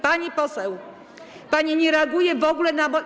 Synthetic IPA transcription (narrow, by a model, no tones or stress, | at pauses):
paɲipɔsɛw | paɲɛɲɛɾɛaɡujɛvɔɡulɛnabɔ